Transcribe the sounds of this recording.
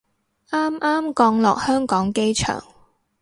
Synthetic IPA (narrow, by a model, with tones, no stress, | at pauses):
ʔaː˥mʔaː˥mkɔː˧ŋlɔ̰ː˨k̚hœː˥ŋkɔː˨˥ŋke˥jt͡ʃʰœ̰ː˨˩ŋ